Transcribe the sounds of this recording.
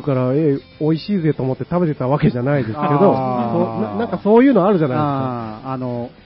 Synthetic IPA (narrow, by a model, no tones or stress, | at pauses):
ɯkaɾae | o̞iɕiːzɨe̞t̪oːmo̞t̪ːe̞t̪abe̞t̪e̞t̪aβake̞ʑanaid̪e̞sɨ̥ke̞d̪o̞sonanãŋkaso̞ːjɯ̟ːnoaaɾɯ̟ʑanajdeskaano